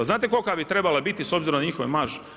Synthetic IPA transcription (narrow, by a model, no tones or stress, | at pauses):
aznaːt̪ekokabit̪ɾe̞balabit̪iso̞bziɾomnaɲixoʋemaʒe